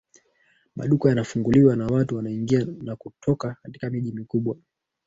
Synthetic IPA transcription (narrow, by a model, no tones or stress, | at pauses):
ma̰ɗukajanafuŋɡuliwanawatuwanaiŋɡianakutʰɔkakati̥kamiʄimikuɓwa